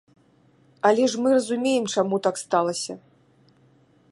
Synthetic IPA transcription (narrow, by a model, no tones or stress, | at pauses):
ɐlʲɛʂmɨrɐzumʲejɛmt͡ʂamut̪akst̪alˠɐsʲɐ